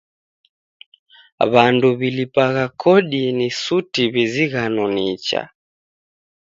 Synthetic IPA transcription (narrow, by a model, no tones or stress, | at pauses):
βanduβilipaɣakʰɔɗinisutiβiziɣanɔnit͡ʃa̰